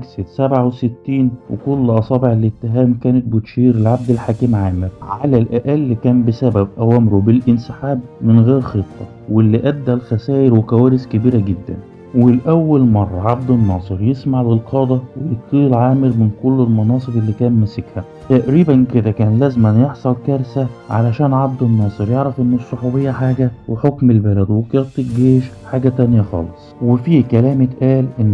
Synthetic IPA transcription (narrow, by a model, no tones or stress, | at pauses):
ɡsed̪sæbʕaweset̪ːiːnwḛkolːʔɑsˤɑːbeʕelet̪ːeɦæːmkæːnet̪̚bot̪ʃiːɾelʕab̚d̪elħaːkimʕaːmɪɾʕalælʔæʔælːkæːmbesæbæbʔæwæːmɾubelʔɪnsɪħaːbmɪnɣeːɾxet̪ˤːɑ̰ | welːiʔæd̪ːælxæsæːʔeɾwekæwæːɾeskebiːɾæɡed̪ːæ̰n | welʔæwːælmɑrˤːɑʕab̚d̪enːɑːsˤɨɾjesmaʕbelqʰɑːd̪ˤɑwejet̪ˤːiːlʕaːmɪɾmɪnkolːelmɑnɑːsˤɨbelːiːkæːnmæsekhæ | t̪æʔɾiːbænked̪ækæːnlæːzmænjeħsˤɑlkæɾsæʕa̰læʃæːnʕab̚d̪enːɑːsˤɨɾjeʕɾæfʔenːesˤːoħuːbejːæħaːɡæweħokmelbælæd̪wekɑt̪ˤːilɡeːʃħaːɡæt̪ænjæxɑ̰ːlesˤwefiːkælæːmet̪ʔæːlʔenː